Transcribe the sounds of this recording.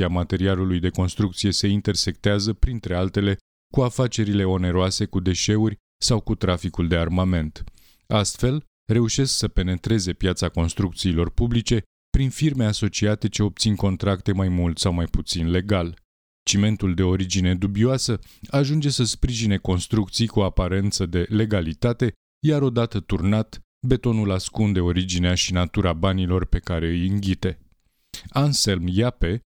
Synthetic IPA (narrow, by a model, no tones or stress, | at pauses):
iamat̪e̞ɾialulujd̪e̞ko̞nst̪ɾukt̪sije̞se̞int̪e̞rse̞k̚t̪eazəpɾint̪ɾe̞alt̪e̞le̞ | kuafat͡ʃe̞ɾile̞o̞ne̞ɾoase̞kud̪e̞ʃe̞urʲ | sawkut̪ɾafikuld̪e̞armame̞nt̪ | ast̪fe̞l | re̞uʃe̞sksəpe̞ne̞t̪ɾe̞ze̞pjat̪sako̞nst̪ɾuk̚t̪siːlo̞rpublit͡ʃe̞ | pɾinfirme̞aso̞t͡ʃiat̪e̞t͡ʃe̞o̞p̚t̪sinko̞nt̪ɾakt̪e̞majmult̪sawmajput̪sinle̞ɡal | t͡ʃime̞nt̪uld̪e̞o̞ɾid͡ʒine̞d̪ubioasəaʒund͡ʒe̞səspɾiʒine̞ko̞nst̪ɾukt̪sijkuoapaɾe̞nt̪səd̪e̞le̞ɡalit̪at̪e̞ | jaɾo̞d̪at̪ət̪urnat̪ | be̞t̪o̞nulaskund̪e̞o̞ɾid͡ʒineaʃinat̪uɾabanilo̞rpe̞kaɾe̞ɨjɨŋɡʲit̪e̞ | anselmjape̞